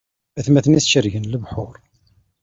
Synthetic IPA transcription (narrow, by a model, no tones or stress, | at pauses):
æθmæθəniθʃəɾʝənləvħʊɾˤ